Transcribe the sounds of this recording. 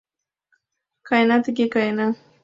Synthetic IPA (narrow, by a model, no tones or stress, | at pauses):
kajnat̪kɪkajna